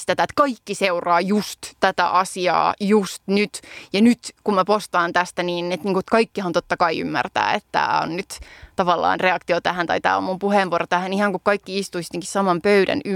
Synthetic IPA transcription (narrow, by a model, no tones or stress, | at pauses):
st̪æt̪æet̪kɑikːiseurɑːjust̪t̪æt̪æ̰ʔɑsiɑ̰ːjust̪nyt̪jɑnyt̪kummæpost̪ɑːnt̪æst̪æniːnet̪niːŋkut̪kɑikːihɑnt̪ot̪ːɑkɑiy̰mːæ̰rt̪æ̰ːḛt̪t̪æ̰ːo̰nnyt̪t̪ɑʋɑlːɑ̰ːnreɑkt̪iot̪æhænt̪ɑit̪æ̰ːo̰mumpuhenʋuoɾot̪æhænihɑŋkukkɑikːiist̪uisi̥t̪eŋkissɑmɑmpøyɾæ̰ny